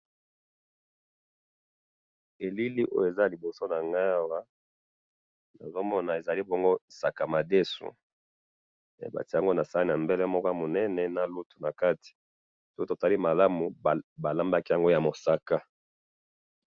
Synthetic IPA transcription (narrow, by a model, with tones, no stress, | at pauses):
e˨li˦li˦ʔo˦jo˦˨e˨za˦˨li˨bo˨so˦na˨ŋɡa˦wa˦ | na˨zo˦mɔ˦na˨e˨za˨li˦bo˦ŋɡo˦sa˨ka˨ma˨de˦sṵ˨ | ḛ˨ba̰˨ti˦˨a˨ŋɡo˦na˨sa˦li˦na˨mbɛ˦lɛ˦mɔ˦ka˦mo˨nɛ˦nɛ˨na˨lu˦tu̥˨na˨ka˦ti̥˨ | so̥˦ko˦to˨ta˨li˦ma˨la˦mu˨ba˨la˦mba˦ki˦ja˨ŋɡo˦ja˨mo˨sa˦ka˦